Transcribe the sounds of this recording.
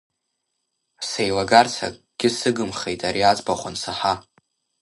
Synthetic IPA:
sejlaɡart͡sʰa̰kʼɡ̥ʲɪsɨɡɨmχejtʼaɾiat͡sʼbaχʷansaħa

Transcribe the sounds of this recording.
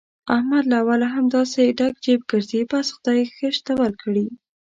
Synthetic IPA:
ahmad̪laːwalaɦamd̪ɑseɖaɡ̚t͡ʃebɡəɾzebasxʊd̪ɑjxəʃt̪awalkɽi

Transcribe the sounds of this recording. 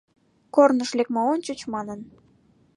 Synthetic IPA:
kornəʃlekmɑonʲt͡ɕət͡ɕmɑnən

